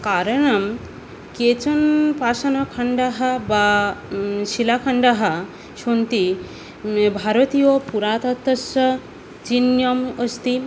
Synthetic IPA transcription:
kaɾɐɳɐm | ket͡ʃɐnpasɐnɐkʰɐɳɖaɦɐba | ʃilakʰɐɳɖaɦɐ | ʃont̪i | bʱaɾɐt̪ijopuɾaːt̪ɐt̪ːɐsɐ | d͡ʒinjoməst̪i

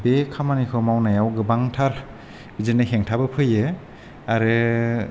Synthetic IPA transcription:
bekʰamanikʰɯmawnajawɡɯbaŋtʰaɾ | bizɯnɯheŋtʰabɯpʰɯjɯ | aɾɯ

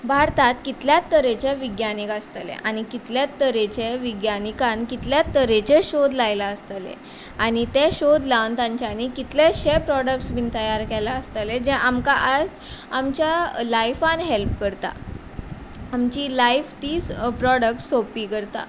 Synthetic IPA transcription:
bʱaɾt̪at̪kit̪ljat̪ːəɾẽt͡ɕeʋiɡjanikast̪alḛʔañikit̪ljat̪ːəɾet͡ɕeʋiɡjanikãnkit̪ljat̪ːəɾet͡ɕeɕod̪lajlaəst̪alḛ | añit̪eɕod̪laʋnt̪ãɲt͡ɕjanikit̪leɕepɾɔɽək̚ʈsbint̪əjaɾkɛlaəst̪əled͡ʑeʔamkaʔad͡z | amt͡ɕjalajfanɦelpkəɾt̪a̰ | amt͡ɕiːlajft̪iːspɾɔɽək̚ʈsopiːkəɾt̪a̰

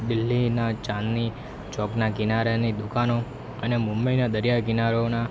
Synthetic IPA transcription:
d̪ɪlːinat͡ʃãnːi | t͡ʃɔknaɡinaɾenid̪ukano | ənemʊmbəinad̪əɾjaɡinaɾona

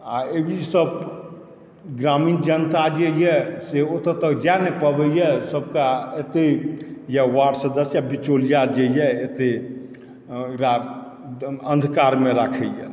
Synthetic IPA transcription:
aebʱisəb | ɡɾamind͡ʒənt̪ad͡ʒejɛseot̪ət̪əkd͡ʒanepəbɛjɛsəb̚kaet̪ejɛwaɖsəd̪əsjabit͡ʃolijad͡ʒejɛet̪e | kɾa | ə̃nd̪ʱkaɾmeɾakʰɛjɛ̰

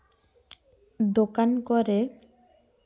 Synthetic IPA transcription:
d̪okankoɾe

